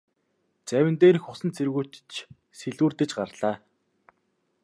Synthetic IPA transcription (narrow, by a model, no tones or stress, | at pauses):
t͡sæwʲɪ̆nt̪eːɾixʊsə̆nt͡sʰeɾɣuːt͡ɕt͡ɕ | seɮuːrt̪ɘ̆t͡ɕɢaɾɮ̥aː